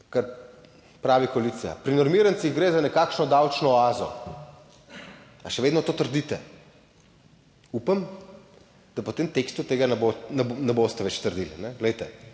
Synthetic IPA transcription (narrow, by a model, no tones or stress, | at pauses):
kaɾ | pɾaːʋikɔaliːt̪sija̰pɾinɔɾmiɾənt̪siɣɡɾeːzanɛkaːkʃnɔd̪awt͡ʃnɔaːzɔ̰ | aʃɛʋeːd̪nɔt̪oːt̪əɾd̪it̪ɛ | upam | d̪̥apot̪eːmt̪ekst̪ut̪eːɡanɛbonɛnɛbost̪ɛʋɛt͡ʃt̪əɾd̪ilnɛɡlɛjt̪ɛ